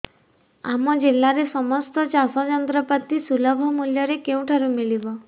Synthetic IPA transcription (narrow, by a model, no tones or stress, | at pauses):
a̰mɔd͡ʒelːaɾesɔmɔst̪ɔt͡ʃasɔd͡ʒɔnt̪ɾɔpat̪isulɔbʱɔmuljɔɾekew̃ʈʰaɾumilibɔ